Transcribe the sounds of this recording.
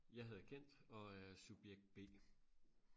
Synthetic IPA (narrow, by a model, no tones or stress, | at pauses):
jɑ̈ɦæð̞ˠkʰen̰d̥ɒ̽æsub̥jeɡ̥̚d̥̚b̥e̝̰ː